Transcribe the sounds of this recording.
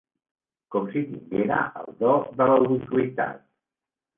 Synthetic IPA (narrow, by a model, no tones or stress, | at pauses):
kɔmsit̪iŋɡeɾə̰ʔəlˠd̪ɔðələuβit̪uit̪a̰t̪̚